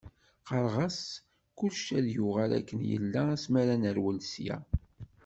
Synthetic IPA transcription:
qɑɾˤʁɑs | kʊlʃæðjuʁælæ̰kːənjə̰lːææsmæɾænəɾwəlsjæ̰

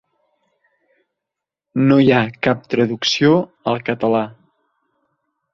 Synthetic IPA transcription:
nojakap̚t̪ɾəðuksioəlˠkət̪əla

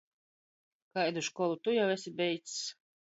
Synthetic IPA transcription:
kajd̪uʃkɔlˠut̪ujawɛsʲibʲɛjt̪ss

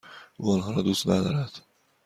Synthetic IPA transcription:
ʔṵːɒnɦɒːɾɒːd̪uːst̪næd̪ɒ̰ːɾæd̪̥

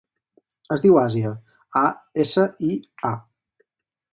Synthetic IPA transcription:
əzðiwaziə | aesəia

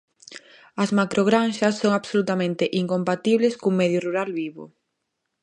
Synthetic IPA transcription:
ɐzmakɾoɣɾanʃɐsːoŋaβsolut̪amẽnt̪ɪʔiŋkompat̪iβleskumɛðjʊruɾalβiβʊ̰

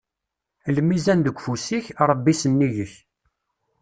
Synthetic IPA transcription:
ləmizænd̪əɡʷfusiçɾˤəbːisənːiʝəç

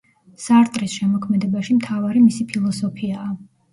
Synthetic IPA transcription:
saɾt̪ʼɾisʃɛmɔkʰmɛd̪ɛbaʃimt̪ʰavaɾimisipʰilˠɔsɔpʰiaː

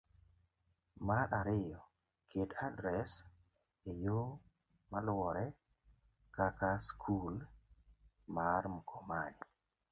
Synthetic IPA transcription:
maɾʔaɾɪjɔ | kedadɾɛs | ejo | malwɔɾɛ | kakaskʰul | maɾm̩kʰɔmanɪ

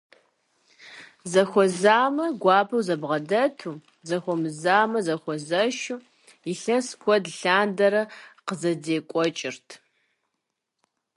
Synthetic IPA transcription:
zɐxʷɔzaːmɐɡʷɑːpʰɐwzɐbʁɐdɐtʰuː | zɐxʷɔmɨzaːmɐzɐxʷɔzɐʃuː | iɬɐskʷʰɔdɬaːndɐɾɐqəzɐdeːkʷʼɔt͡ʃʼɪrtʰ

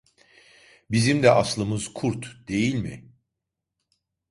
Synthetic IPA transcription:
bizimd̪ɛʔaslˠɯmɯz̥kʰuɾt̪d̪̥e̞jilʲmɪ̰

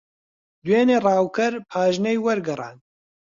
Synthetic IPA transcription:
d̪weːneːrˤɑːwkɨɾpʰaːʒnɐjwɐɾɡɨrˤɑ̰ːn

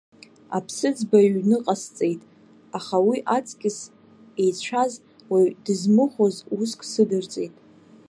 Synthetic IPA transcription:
a̰pʰsɨd͡zbaɥnɨqʼast͡sʼe̞jtʼ | aχawiʔat͡sʼkʲʼɪs | e̞jt͡ɕʷʰaz | wajdɨzmɨχʷozuskʼsɨdɨrt͡sʼe̞jtʼ

